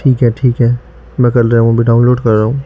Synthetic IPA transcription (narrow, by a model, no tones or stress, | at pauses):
ʈʰiːkɦɛʈʰiːkɦɛː | mɛ̃ːkɐlɾeɦũbʱiɖaːʊ̃nloːɖkɐɾːaːɦũː